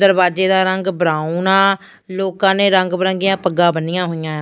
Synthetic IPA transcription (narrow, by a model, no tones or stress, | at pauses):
d̪əɾbaːd͡ʒeːd̪aːɾəŋɡbɾaːuːnaː | loːkãːneːɾəŋɡbɾə̃ŋɡɪjãːpəɡãːbənːɪjãːɦoːijãː